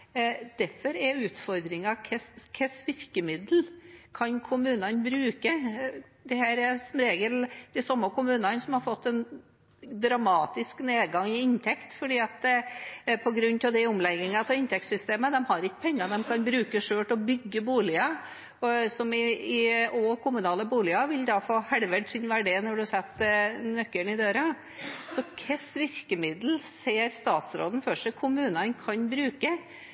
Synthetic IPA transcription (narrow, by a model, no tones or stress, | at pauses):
d̪̥æɾfɔɾɛʉːt̪fɔɾd̪ɾɪŋɑkʰɛskʰɛsʋɪɾkəmɪd̪l̩kʰɑnkʰʊmʉːnɑnbɾʉːkə | d̪ɛhæːɾɛɾsɔmɾeːɡəld̪̥ɛsɔmːəkʰʊmʉːnɑnsɔmhɑɾfɔt̪ːɛn | d̪ɾɑmɑːt̪ɪskneːd̪ɡɑŋːɪɪnt̪ʰɛkt̪fɔɖiːɑt̪ | pʰɔɡɾʉnːt̪ʰɑʋd̪ɛʊmlɛɡɪŋɑt̪ʰɛɪnt̪ɛk̚t̪sʏst̪eːməd̪ɛmhɑɾɪkːə̥pʰɛŋːəɾd̪ɛmkʰɑnbɾʉːkəʂøːʈɔbʏɡːəbuːlɪə | ɔsɔmɪɪɔkʰʊmʉnɑːləbuːlɪɑʋɪld̪ɑːfoːhɛɽʋəɖsɪnʋæɖeːnɔɖʉsɛt̪ːnœkːəɳɪd̪øːɾə | sɔkʰɛsʋɪɾkəmɪd̪l̩seːɾst̪ɑːt̪sɾo̰ːd̪n̩fœʂɛkʰʊmʉːnɑnkʰɑnbɾʉːkə